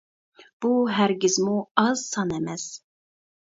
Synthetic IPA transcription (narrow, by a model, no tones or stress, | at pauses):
b̥uɦæɾɡʲizmuɑzsɑnɛmɛz̥